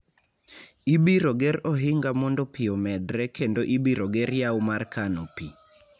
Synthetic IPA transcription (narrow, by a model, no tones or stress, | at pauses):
ibiɾoɡeɾɔɦɪŋɡamɔndɔpiomɛdɾɛkʰendoʔibiɾoɡeɾjawmarkanopi